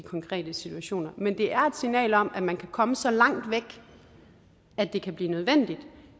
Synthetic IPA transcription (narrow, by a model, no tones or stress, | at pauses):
ikʰɒ̽ŋkʰʁɛ̰ːd̥əsit͡sʰuæɕo̝̰ːnɐmend̥e̝ʔæɐe̝d̥sinɛ̰ːlɒ̽m̰æ̥mænkʰækʰɒ̽məsɒ̽lɑ̈ŋ̰d̥ʋeɡ̥ | æd̥e̝kʰæb̥liːnøð̞ˠʋen̰d̥id̥